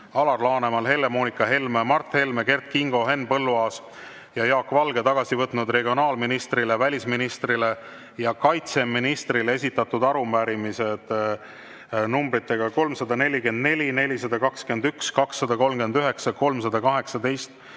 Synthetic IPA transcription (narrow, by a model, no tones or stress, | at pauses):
ɑlɑrlɑːne̞mɑlɦe̞lːe̞mo̞ːnikːˑɑɦe̞lmemɑrt̪he̞lme̞ke̞rt̪̚kiŋɡ̥o̞ɦe̞nːpɤlːuɑːs | jɑjɑːkːvɑlɡ̥e̞t̪ɑɡ̥ɑsivɤt̪ːˑnud̪re̞ɡio̞nɑːlminist̪rile̞vælʲisminist̪rile̞ | jɑkɑjt̪se̞mːinist̪rilee̞sʲit̪ːˑɑt̪ːud̪ɑɾumæɾimise̞d̪̥ | numbɾit̪ːˑe̞ɡ̥ɑko̞lmsɑd̪ɑne̞lʲːike̞nd̪ne̞lʲine̞lʲisɑd̪ɑkɑkske̞nd̪ykskɑksːɑd̪ɑko̞lmɡ̥e̞nd̪yɦe̞ksɑko̞lmsɑd̪ɑkɑɦe̞ksɑd̪e̞jst̪